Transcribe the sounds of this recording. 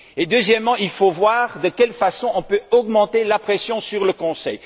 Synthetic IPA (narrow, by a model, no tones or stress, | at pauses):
ed̪øzjɛmːɑ̃ilfovwaʁd̪əkʲɛlfasɔ̃ɔ̃pøɔɡmɑ̃t̪elapχɛsjɔ̃syʁləkɔ̃sɛ̰j